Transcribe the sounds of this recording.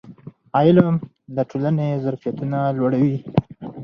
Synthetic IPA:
ɑjɪlam | d̪əʈʰolanezaɾfijat̪unalwaɽawi

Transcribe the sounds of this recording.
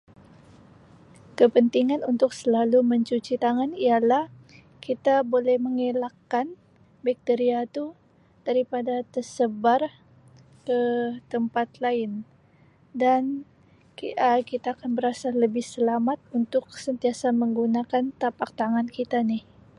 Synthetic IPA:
kəpənt̪iŋanunt̪ʊksəlaluməɲt͡ʃut͡ʃit̪aŋanialah | kit̪abolɛhməŋelakːan | bik̚t̪eɾiat̪u | d̥aɾipadat̪ərsəbar | kət̪əmpat̪laɪn | dan | əkit̪aːkanbəɾasaləbɪhsəlamat̪̚unt̪ʊk̚sənt̪iasaməŋɡunakant̪apak̚t̪aŋankit̪anɪh

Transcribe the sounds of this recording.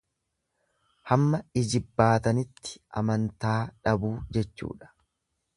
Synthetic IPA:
hɐmːɐɪd͡ʒɪbːaːt̪ɐnɪt̪ːɪ̥ʔɐ̰mɐnt̪aːᶑɐbuːd͡ʒɛt͡ʃːṵːᶑɐ̥

